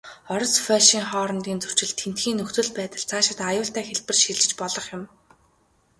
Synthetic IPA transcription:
ɔɾɞ̆sfæːʃiːŋχɔːɾɞ̆nt̪iːnt͡sɵr̥t͡ɕɪ̆ɮt̪ʰen̥t̪ɡiːŋnːɵxt̪ɵ̆ɮpæːt̪ə̆ɮt͡sʰaːʃɪ̆t̪ajʊːɬt̪æːxeɮpɘ̆rʃiɮɘ̆t͡ɕpɔɮɞ̆χjʊm

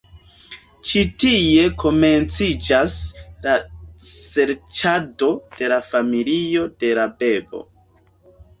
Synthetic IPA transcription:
t͡ʃitie̞kʰo̞me̞nt͡sid͡ʒaslase̞ɾt͡ʃado̞d̥e̞lafamilio̞de̞labe̞bo̞̰

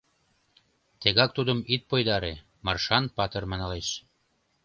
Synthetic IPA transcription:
t̪eɣɑk̚t̪ud̪əmit̪̚pojd̪ɑɾe | mɑrʃɑnpɑt̪ɤ̆rmɑnɑleʃ

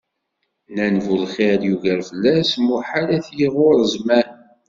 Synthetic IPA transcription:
nænvulχeɾˤjuʝəɾfəlːæsmuħalæθjiʁoɾˤəzmæn

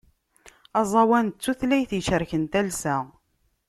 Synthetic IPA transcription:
ɑzˤɑwænt͡sːuθlæjθjʃəɾçənt̪ælsæ

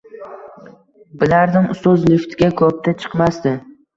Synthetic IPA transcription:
bɪlaɾd̪ɪmʊst̪ɒzlɪft̪ʰɡʲakʰɵp̚t̪ʰat͡ʃʰɨ̥qmast̪ɪ

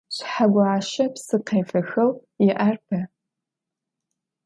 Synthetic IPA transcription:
ɕħaɡʷʊʕaːʃɐpsɨqeːfɐxɐw | jɪʔarpʰɐ

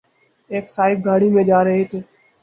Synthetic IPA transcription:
eːksaːɪb̚ɡaːɽiːmẽːd͡ʒaːɾəɦeːt̪ʰeː

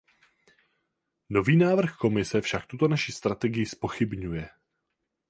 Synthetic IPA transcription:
no̞viːnaːvr̩xko̞mɪsɛfʃak̚t̪ut̪o̞naʃist̪ɾat̪ɛɡɪjɪspo̞xɪbɲujɛ

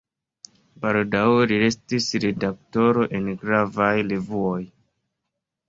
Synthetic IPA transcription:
baldawɾie̞stisɾedak̚to̞ɾo̞ʔe̞nɡɾavajlevuoj

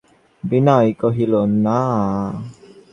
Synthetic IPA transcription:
binaikoɦilonːa

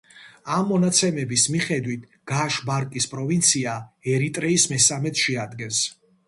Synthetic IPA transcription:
amːɔnat̪sʰɛmɛbismiχɛd̪wit̪ʰ | ɡ̥aʃbaɾkʼispʼɾɔvint̪sʰiaɛɾit̪ʼɾɛismɛsamɛt̪ʰʃɛad̪ɡɛns

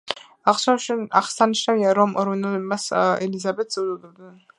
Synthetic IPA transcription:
aχsɔʃaχsaniʃnaviaɾɔmɔɾvɛnɛlɛmasɛlizabɛt̪ʰzɛd̪ɔd̪ɛbnɛn

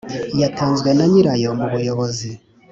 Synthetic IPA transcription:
jataːnzɡwe̞naɲiɾajo̞muβujoβozi

